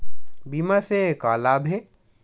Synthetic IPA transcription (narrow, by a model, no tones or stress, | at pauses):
biːmasekaːlabʱe